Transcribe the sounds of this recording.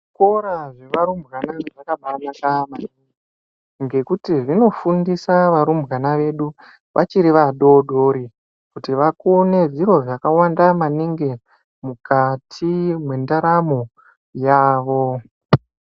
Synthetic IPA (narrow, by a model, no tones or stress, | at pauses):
ko̞ɾaʐe̞ʋaɾumbɣanaʐakaɓanakamaniŋɡe | ŋɡe̞kutiʐino̞fundisaʋaɾumbɣanaʋe̞ɗu | ʋʔa̰t͡ʃiɾiʋaɗo̞ɗo̞ɾi | kutiʋakone̞ʐiɾo̞ʐakawandamaniŋɡe | mukʰatʰimwe̞ndaɾamo | jaːʋo̞